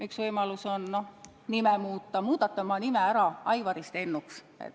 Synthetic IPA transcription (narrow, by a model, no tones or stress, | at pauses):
myksvɤjmɑlusonno̞ | nimemuːt̪ːɑmuːd̪̥ɑt̪ːˑɑmɑnimeæɾɑɑjvɑɾist̪e̞nːuks | ḛt̪